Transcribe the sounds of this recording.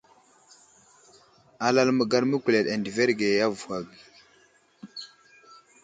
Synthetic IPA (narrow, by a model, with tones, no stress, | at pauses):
a˨la˦lmə˨ɡa˦˨ɾmə˦kʷu˨le˨ɗa˨ndi˨ve˦ɾɡe˨ja˦vu˨wa˨ɡi˨